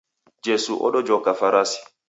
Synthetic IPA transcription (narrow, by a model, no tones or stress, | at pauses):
d͡ʒesṵʔɔ̰ɗɔd͡ʒɔkafaɾasi̥